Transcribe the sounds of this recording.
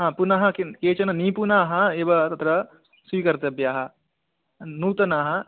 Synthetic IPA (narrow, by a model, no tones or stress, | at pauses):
ɦãːpunɐɦɐ̆kekeːt͡ʃɐnɐniːpunaːɦɐebɐt̪ɐt̪ɾɐ | sikɐɾt̪eɐbjaːɦɐ | nuːt̪ɐnaːɦɐ